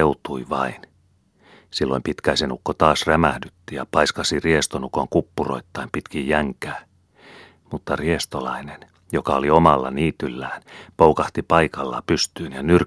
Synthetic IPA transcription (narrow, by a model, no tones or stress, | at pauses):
eut̪uiʋɑ̰in | silːo̰impit̪kæisenukːot̪ɑːsræmæhdyt̪ːijɑ̰pɑiskɑsiriest̪onukoŋkupːuro̰it̪ːɑimpit̪kijjæŋkæː | mut̪ːɑriest̪olɑinen | jokɑoliomɑlːɑ̰niːt̪ylːæːnpoukɑht̪ipɑikɑlːɑ̰pyst̪yːnjɑnyr